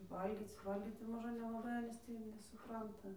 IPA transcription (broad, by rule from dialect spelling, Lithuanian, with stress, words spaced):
ˈʋɐlʲɡʲiːt͡s ˈʋɐlʲɡʲiːt͡s tɐɪ ˈmoːʒə nʲɛlˠɐˈbɐɪ ˈɑːnʲiːs ˈtʲiː jɛʊ nʲɛsʊˈprɐntɐ